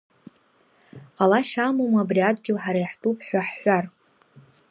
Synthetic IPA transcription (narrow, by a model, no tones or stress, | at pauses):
qʼalaʃamomabriadʼɡʲɪlħaɾajħtʰʼupʰħʷaħħʷar